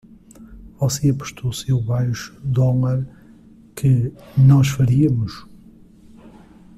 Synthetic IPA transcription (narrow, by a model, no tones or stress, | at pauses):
vɔseɐpu̥ʃt̪ʰousewβajʃu̥d̪ɔlɐɾ | kʰɨnɔʃfɐɾiɐmuʃ